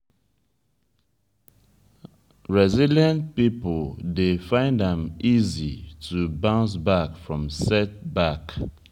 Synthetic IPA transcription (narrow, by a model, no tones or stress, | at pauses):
ɹɛziljãnt̚pipəldefãɪ̃ndə̃mizitʰubãʊ̃ns̬bakfɹɔ̃msɛt̚bak